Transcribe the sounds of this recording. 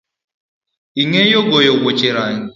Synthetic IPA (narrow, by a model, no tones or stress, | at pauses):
iŋejoɡojoɡʷot͡ʃeɾaɲi